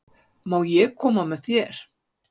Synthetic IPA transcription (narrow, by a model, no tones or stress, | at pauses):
mawjɛkʰɔmamɛθjɛɾ̥